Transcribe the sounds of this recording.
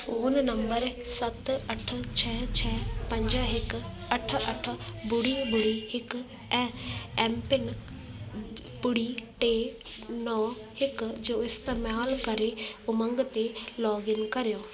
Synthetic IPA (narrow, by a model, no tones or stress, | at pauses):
oːnnɐ̃mbəɾsɐt̪ɐʈ̆ʰt͡ɕʰɛːt͡ɕʰɛːpɐ̃ɲd͡ʑəɦɪkɐʈ̆ʰɐʈʰə̆bʊɽibʊɽiɦɪk | ɛ̃ːɛ̃mpɪn | bʊɽiʈeːnɔː | hɪkd͡ʑoːɪst̪eːmaːlkɐɾeʊmɐ̃ŋɡt̪elɔːɡɪnkɐɾijoː